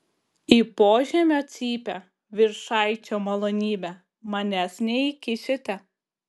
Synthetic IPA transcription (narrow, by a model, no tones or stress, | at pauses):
iːpoːʒʲɛmʲoːt̪sʲiːpʲɛ | ʋʲɪɾʃɑˑɪt͡ʃʲoːmɐlˠoːnʲiːbʲæ | mɐnʲæsʲnʲɛikʲɪʃʲɪt̪ʲɛ